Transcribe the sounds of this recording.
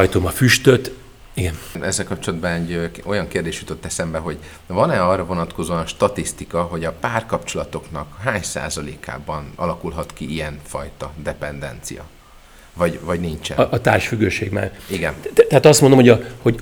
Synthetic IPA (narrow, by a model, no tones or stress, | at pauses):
jt̪omɒfyʃt̪øt̪ | iɡɛnɛzːɛlkɒp̚t͡ʃo̞lɒd̪̚bɒnɛɟːøo̞jɒŋkeːrd̪eːʃjut̪o̞t̪ːɛsɛmbɛɦo̞ɟ | vɒnɛɒːrːɒvo̞nɒt̪ko̞zoɒnʃt̪ɒt̪ist̪ikɒɦo̞ɟɒpaːrkɒpt͡ʃo̞lɒt̪o̞knɒkɦaːɲsa̰ːzɒlḛːka̰ːbɒnɒ̰lɒkulɦɒt̪kiijɛɱfɒ̰jt̪ɒd̪ɛpɛnd̪ɛ̰nt̪sḭjɒ̰ | vɒɟvɒɟniɲt͡ʃɛ̰ʔt̪aːlʃfyɡːøːʃeːɡma̰ːriɡɛnt̪ɛɦat̪ɒst̪mond̪omhojɒho̞ɟ